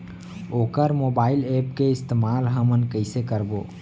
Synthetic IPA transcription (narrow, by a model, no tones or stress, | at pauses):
okəɾmobailepkeɪst̪emalɦəmənkəɪsekəɾbo